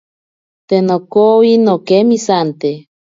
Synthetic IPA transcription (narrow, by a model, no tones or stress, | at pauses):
t̪enokowinokemisant̪e